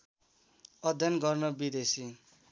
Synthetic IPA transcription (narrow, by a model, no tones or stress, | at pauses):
ʌd̪ʱjʌnɡʌrnʌbid̪esi